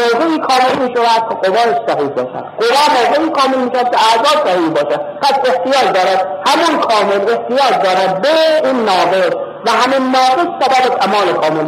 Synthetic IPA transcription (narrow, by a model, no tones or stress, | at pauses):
ozeiːkʰɒːmelmiːʃod̪æs̚kʰeqovɒːneʃsæɦiːhbɒ̰ːʃæ̰d̪̥qovæːmozeiːkʰɒːmelmiːʃæd̪̚kʰeæzɒːsæhiːbɒːʃæd̪pʰæseht̪ʰijɒːɾd̪ɒːɾæd̪̚hæmonkʰɒːmeleht̪ʰijɒːd͡ʒd̪ɒːɾæd̪̚beneʔiːnːɒːɣes | væɦæminnɒːɣessæbæbet̪ʰæmɒːlekʰɒːmel